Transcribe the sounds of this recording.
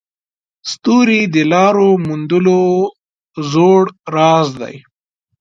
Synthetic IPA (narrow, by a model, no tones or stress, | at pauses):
st̪uːɾid̪əlɑːɾomund̪ulo | zoːɽɾɑːzd̪a̰j